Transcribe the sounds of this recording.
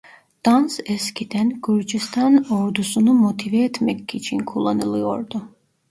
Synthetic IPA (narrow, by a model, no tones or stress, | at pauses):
d̪̥ɑnsɛscʰid̪ænɡ̥yɾd͡ʒist̪ʰɑnoɾd̪usunumot̪ʰivɛet̪ʰmɛcːit͡ʃʰinkʰulˠːanɯlˠɯjo̰ɾd̪u